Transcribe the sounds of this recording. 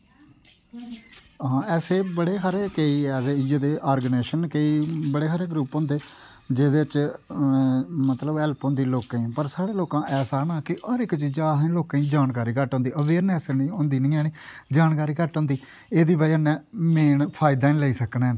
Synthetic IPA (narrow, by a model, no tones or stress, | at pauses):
ɦãːɛːseːbəɽeːɦaɾeːkeiːɛːseid͡ʒəd̪eːʔaːɾɡneːʃənkeːiːbəɽeːkaːɾeːɡɾuːpɦõːnd̪eː | d͡ʒeːd̪eːɪt͡ʃ | mət̪ləbɛːlpɦõnd̪iːloːkẽːpəɾsaːɽeːloːkãːʔɛːsaːnaːkɪəɾɪkt͡ʃiːd͡ʒaːɦɛ̃loːkãːĩːd͡ʒaːnkaːɾiːkəʈɦõːnd̪iːʔəʋeːɾnɛːsniːõːnd̪iːnĩːɛːniːd͡ʒaːnkaːɾiːkəʈɦõnd̪iː | eːd̪iːbaiənɛːmeːɳpʰaːɪd̪aːĩləiːsəknɛː